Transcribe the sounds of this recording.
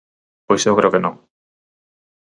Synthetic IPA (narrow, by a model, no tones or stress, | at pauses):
pojseokɾe̞okeno